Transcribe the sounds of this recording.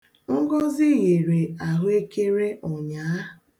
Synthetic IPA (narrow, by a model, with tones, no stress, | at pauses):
ŋ̩˦ɡɔ˦zɪ˦ɣe˨ɾe˨a˨ɦʊ˦e˦ke˦ɾe˦ʔɔ˨ɲa˨˦